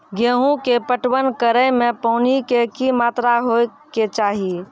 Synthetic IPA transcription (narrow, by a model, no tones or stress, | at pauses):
ɡeɦũkepəʈwənkəɾəjmẽpəʊnikekimat̪ɾaɦo | ket͡ʃaːɦi